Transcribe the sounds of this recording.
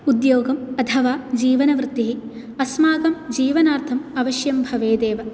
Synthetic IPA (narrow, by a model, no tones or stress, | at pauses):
ud̪joːɡɐmɐt̪ʰɐʋaːd͡ʒiːʋɐnɐʋɾɪt̪ːiɦi | ɐsmaːɡɐmd͡ʒiːʋɐnaːɾt̪ʰɐmɐʋɐʃjɐmbʱɐʋeːd̪eːʋɐ